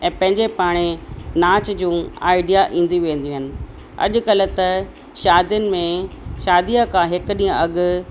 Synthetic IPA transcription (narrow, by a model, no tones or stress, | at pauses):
ɛ̃ːpɐ̃ɦɪ̃ɲd͡ʑepaːɽ̃enaːt͡ɕd͡ʑũːa̰ːɪɖijaʔĩːn̆d̪iʋẽːn̆d̪ijũːɦəɪnɪ̆ | ɐ̰ʄʊ̆kɐlʊ̆t̪ɐ | ʃaːd̪jənɪ̆mẽʃaːd̪ijakʰãɦɪkʊɗĩːə̃ɐɠʊ